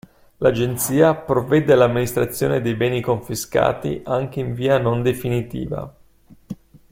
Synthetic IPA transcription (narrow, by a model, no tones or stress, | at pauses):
lad͡ʒent̪siːapɾovɛd̪elamːinist̪ɾat̪sːjo̰ːned̪ejbɛːnikoɱfiska̰ːt̪ḭʔaŋk̟eiɱviːanond̪efinit̪ḭːva̰